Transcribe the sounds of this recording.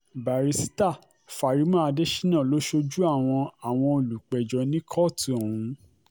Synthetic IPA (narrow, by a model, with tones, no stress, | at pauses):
ba˨ɾi˨˧si̥˦ta˦˨ | fa˨ɾi˨˦mã˦a˧de˦ʃi̥˦nã˦˨lo˨˦ʃo˧d͡ʒu˦a˦˨w̃ɔ̃˧a˨w̃ɔ̃˧o˧˨lu˨k͡pɛ˨d͡ʒɔ˨˦nĩ˦kʰɔ˦˨tu˨o˨ũ˨˦